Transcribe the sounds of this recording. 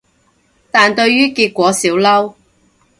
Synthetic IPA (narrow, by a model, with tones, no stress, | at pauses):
t̪aː˨nt̪ɵ˧ɥjyː˥kiː˧t̚kʷwɔː˨˥siː˨˥wlɐ˥w